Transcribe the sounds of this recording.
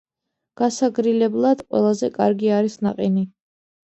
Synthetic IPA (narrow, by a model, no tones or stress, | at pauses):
ɡ̥asaɡɾilɛblˠad̪̥qʼwɛ̰lˠazɛkʼa̰ɾɡiaɾisnaqʼini